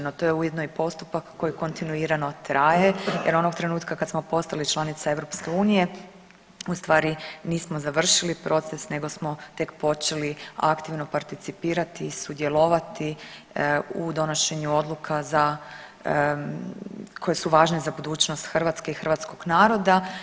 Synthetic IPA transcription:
not̪o̞je̞ujed̪noipo̞st̪upakːo̞jiko̞nt̪inuiːɾano̞t̪ɾaːje̞jeɾo̞no̞ɡt̪ɾe̞nuːt̪kakad̪smo̞po̞st̪alit͡ʃlˠanit̪sae̞ʋɾo̞pske̞uːnije̞ | ust̪ʋaːɾiniːsmo̞zaʋr̩ʃilipɾo̞t̪se̞sne̞ɡo̞smo̞t̪e̞kpo̞t͡ʃe̞lia̰kt̪iʋno̞paɾt̪it̪sipiːɾat̪iːsud̪je̞lo̞ʋat̪i | ud̪o̞no̞ʃe̞ɲuo̞d̪lˠukʰaza | kʰo̞jesuʋaːʒne̞zabud̪uːt͡ɕnost̪xr̩ʋat̪ske̞ixrʋat̪sko̞ɡ̥naːɾo̞d̪a

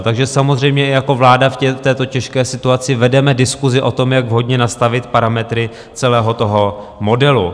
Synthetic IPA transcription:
t̪aɡʒɛsamozr̝ɛjmɲɛʔɪjako̞vlaːdafcɛt̪ɛːt̪o̞cɛʃkɛːsɪt̪uat͡sɪvɛdɛmɛdɪskuzɪʔo̞t̪o̞mjaɡvɦo̞dɲɛnast̪avɪt̪paɾamɛt̪ɾɪ | t͡sɛlɛːɦo̞t̪o̞ɦo̞ | mo̞dɛlu

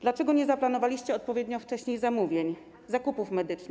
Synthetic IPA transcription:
d̪̥lat͡ʂɛɡɔɲɛzaplanɔvalʲiɕt͡ɕɛɔt̪̚pɔvʲjɛd̪ɲɔft͡ʂɛɕɲejzamuvʲjeɲ | zakupufmɛd̪ɘt͡ʂnɘ

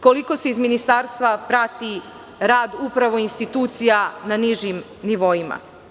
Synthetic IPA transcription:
koliko̞se̞izminist̪aːɾst̪ʋapɾat̪i | ɾaːd̪upɾaʋo̞inst̪it̪uːt̪sijananiʒim | niʋo̞jima̰

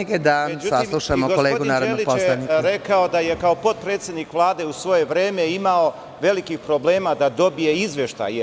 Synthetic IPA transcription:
eɡed̪amed͡ʒusaslˠuʃamoɡooleːɡunnaːɾodeliposlaniɾekao̞d̪aje̞kao̞po̞t̪̚pɾet̪sjed̪nikʋlˠaːd̪e̞usʋo̞je̞ʋɾe̞ːme̞imao̞ | ʋe̞likixpɾo̞ble̞ːmad̪ad̪o̞bije̞izʋjeʃt̪a̰je

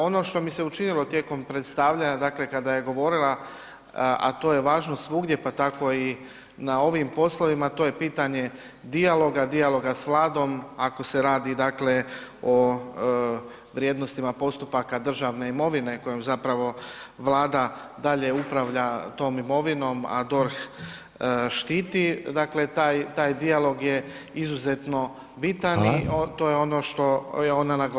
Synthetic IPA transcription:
o̞no̞ʃt̪o̞mise̞ut͡ʃinilo̞t̪je̞ko̞mpɾet̪st̪aʋʎaɲad̪aːkle̞kad̪aje̞ɡo̞ʋo̞ɾilˠa | a̰t̪o̞ːje̞ʋaːʒno̞sʋuɡd̪je̞pat̪ako̞i | nao̞ʋimpo̞slo̞ʋimat̪o̞jepiːt̪aɲe̞ | d̪ialˠo̞ɡad̪ialo̞ɡasʋlˠaːd̪o̞mako̞se̞ɾaːd̪id̪aːkle̞o̞ | ʋɾjeːd̪no̞st̪imapo̞st̪upakad̪r̩ʒaʋne̞imo̞ʋine̞ko̞jomzapɾaʋo̞ʋlˠaːd̪a | d̪aʎe̞upɾaʋʎat̪o̞ːmimo̞ʋino̞ma̰d̪o̞ɾx | ʃt̪iːt̪id̪akle̞t̪ajt̪aːjd̪ialˠo̞ɡje̞ | izuze̞t̪no̞ | bit̪aniot̪o̞ːjeo̞no̞ʃt̪o̞jeo̞nanaɡ

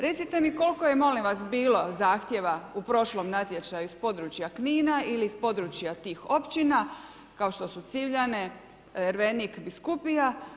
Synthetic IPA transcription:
ɾe̞t̪sit̪e̞miko̞lko̞jemo̞limʋasbiːlo̞zaːxt̪je̞ʋaupɾo̞ʃlo̞mnat̪je̞t͡ʃajuispo̞d̪ɾut͡ʃjakniːnaʔiliispo̞d̪ɾut͡ɕjat̪iːxo̞pt͡ɕina | kaoʃt̪o̞sut̪siʋʎane̞ | eɾʋenikbiskupija

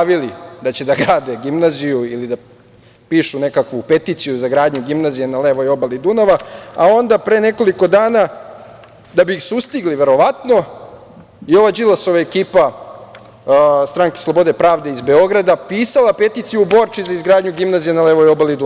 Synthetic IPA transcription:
aʋilid̪at͡ɕe̞d̪aɡɾaːd̪e̞ɡimnazijuilid̪a | piːʃune̞kakʋupe̞t̪iːt̪sijuzaɡɾaːd̪ɲuɡimnazijenale̞ʋojo̞balid̪unaʋaao̞nd̪apɾene̞ko̞liko̞d̪aːna | d̪abisust̪iɡliʋe̞ɾo̞ʋat̪no̞ | io̞ʋad͡ʒilasoʋaekiːpa | st̪ɾaŋke̥slˠo̞bo̞d̪e̞pɾaːʋd̪eizbe̞o̞ɡɾad̪apiːsalˠape̞t̪iːt̪sijubo̞ɾt͡ʂizaizɡɾaːd̪ɲuɡimnazijenale̞ʋojobalid̪u

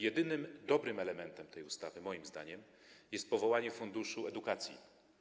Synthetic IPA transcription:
jɛd̪ɘnɘmd̪ɔbɾɘmɛlɛmɛnt̪ɛmt̪ʰɛjust̪avɘmɔjimzd̪a̰ɲɛm | jɛst̪̚pɔvɔwaɲɛfund̪uʂuɛd̪ukat̪sʲjḭ

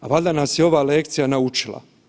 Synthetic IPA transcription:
aʋalʲd̪anaːsjeo̞ʋaːlek̚t̪sijanaut͡ʃilˠa̰

